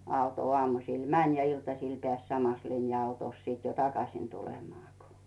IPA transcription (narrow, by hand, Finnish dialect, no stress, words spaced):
ɑuto ŏɑˑmusiˑl mænʲ jɑ iltɑsiˑl peæˑs sɑmɑs linjɑɑutoˑs sit jo tɑkɑsiˑn tulemɑː ko